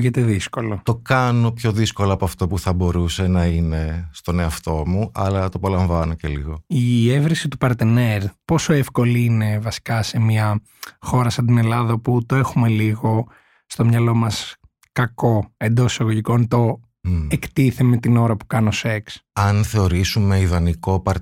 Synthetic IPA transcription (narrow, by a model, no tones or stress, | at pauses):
ʝet̪e̞ðisko̞lot̪o̞kɐno̞pçoðisko̞lɐːpoɐft̪o̞puθɐbo̞ɾuse̞nɐine̞st̪o̞ne̞ɐft̪o̞muʔɐ̰lɐt̪opɐlɐɱvɐnoce̞̰lḭɣo̞ievɾisit̪upɐɾt̪ene̞ɾpo̞so̞efko̞liine̞vɐsi̥kɐse̞miɐ | xo̞ɾɐsɐnd̪ine̞lɐðɐoput̪oe̞xume̞liɣo̞ | st̪o̞mɲɐlo̞mɐs | kɐko̞e̞nd̪o̞sisɐɣoʝiko̞nt̪o̞ | ekt̪iθeme̞t̪ino̞ɾɐpu̥kɐno̞se̞ksɐnθe̞o̞ɾisumeiðɐniko̞pɐɾ